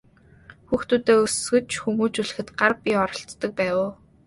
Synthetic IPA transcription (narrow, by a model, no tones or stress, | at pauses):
xuːxt̪uːt̪eːɵsɡɘ̆t͡ɕxumuːt͡ɕuɮɘ̆xɘ̆t̪ɢarpʲiɔɾɞ̆ɬt̪ːə̆k̚pæːwʊː